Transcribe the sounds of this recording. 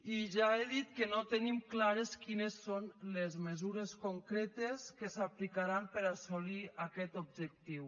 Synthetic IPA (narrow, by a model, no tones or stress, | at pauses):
iʒaeðit̪kənot̪ənimklaɾeskinesːonlezmezuɾeskoŋkɾet̪eskəsaplikaɾampəɾasoliakɛt̪ob̚ʒək̚t̪iw